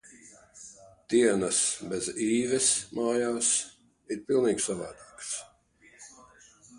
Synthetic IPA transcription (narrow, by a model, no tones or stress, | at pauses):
d̪̥iɛnəsbeziːvɛsmaːjaːs | iɾpilˠniːɡsavaːd̪iːks